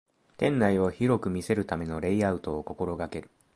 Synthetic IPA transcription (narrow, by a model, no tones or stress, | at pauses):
t̪ẽ̞nːaio̞çiɾo̞kɯ̟mʲise̞ɾɯ̟t̪ame̞no̞ɾe̞iaɯ̟t̪o̞ːko̞ko̞ɾo̞ɡake̞ɾɯ̟̥